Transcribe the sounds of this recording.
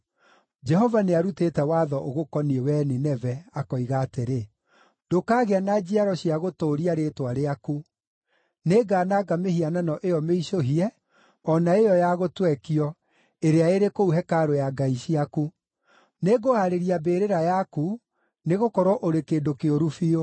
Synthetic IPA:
d͡ʒɛɦɔvaneaɾuteːtɛwaːðɔʔoɣokɔniɛwɛninɛvɛakɔiɣaːteɾe | dokaːɣeanad͡ʑiaɾɔɕiaɣotoːɾiaɾetwaɾeaku | neɡaːnaɡamehiananɔʔejɔmeiɕoɦiɛ | ɔnaejɔjaɣotwɛkiɔ | eɾeaeɾekouɦɛkaɾojaɡaiɕiaku | neɡoaɾeɾiabeːɾeɾajaku | neɣokɔɾwɔʔoɾekeːndokeoɾufio

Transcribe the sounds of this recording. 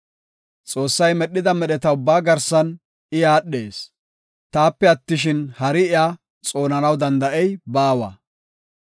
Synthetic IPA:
t͡sʼo̞ːsːɐjmɛɗːɪd̪ɐmɛɗɛt̪ɐʊbːaːɡɐɾsɐn | ɪjaːɗːe̞ːs | t̪aːpːɛɐt̪ːɪʃ̬ɪnhɐɾɪɪjaː | t͡sʼo̞ːnɐnɐwd̪ɐnd̪ɐʔɛjbaːwɐ̰ː

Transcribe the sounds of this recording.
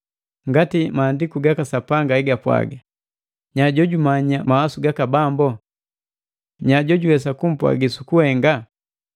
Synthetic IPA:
ŋɡatimaːndikuɡakasapaŋɡaiɡapwa̰ɡa | ɲaɟɔɟumaɲamahasuɡakabambɔ | ɲaɟɔɟuwɛsakum̩pwa̰ɡisukuhɛŋɡa

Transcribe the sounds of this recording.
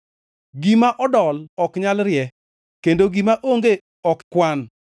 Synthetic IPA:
ɡimaʔɔdɔlɔkɲalɾjɛ | kendoɡimaʔoŋɡe | ɔkkwan

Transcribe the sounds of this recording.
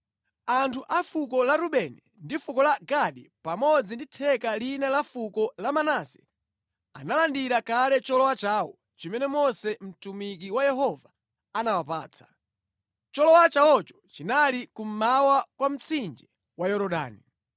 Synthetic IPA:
antʰuʔafukɔlaɾuɓɛnɛ | ndifukɔlaɡaɗipamɔd͡zinditʰɛkalinalafukɔlamanasɛ̥ | a̰nalandiɾakalɛt͡ʃɔlɔwat͡ʃaːwɔ̰ | t͡ʃimɛnɛmɔsɛm̩tumik̬iwajɛɦɔva | anawapa̰ːt͡sʰḁ | t͡ʃɔlɔwat͡ʃawɔt͡ʃɔ̥t͡ʃinalikum̩mawakwam̩t͡sʰind͡ʒɛ | wajɔɾɔɗa̰ːni

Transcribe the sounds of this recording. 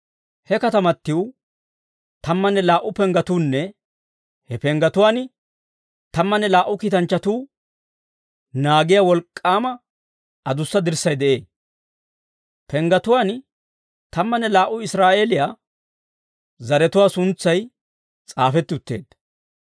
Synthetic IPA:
hɛkɐt̪ɐmɐt̪ːɪw | t̪ɐmːɐnːɛlaːʔːʊpɛŋɡɐt̪uːnːɛ | hɛpɛŋɡɐt̪ʊwaːn | t̪ɐmːɐnːɛlaːʔːʊkiːt̪ɐnt͡ʃːɐt̪uː | naːɡɪjawɔlkʼːaːmɐ | ɐd̪ʊsːɐd̪ɪɾsɐjd̪ɛʔe̞̰ː | pʰɛŋɡɐt̪ʊwaːn | t̪ɐmːɐnːɛlaːʔʊɪsɾaːʔeːlɪjaː | zɐɾɛt̪ʊwaːsʊnt͡sːɐj | t͡sʼaːfɛt̪ːɪʊt̪ːe̞̰ːd̪̥

